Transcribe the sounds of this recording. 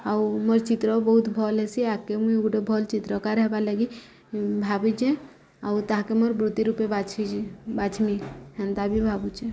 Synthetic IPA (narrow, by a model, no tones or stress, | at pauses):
auməɾt͡ʃit̪ɾɔbɔɦut̪bʱɔlɛsiakemuiuɡɖobʱɔlt͡ʃit̪ɾɔkaɾɛɦbaləɡi | bʱabut͡ʃɛ | awt̪aɦãkemoɾbɾut̪iɾupebat͡ʃʰibat͡ʃʰmiɦɛnt̪abʱibʱabut͡ʃe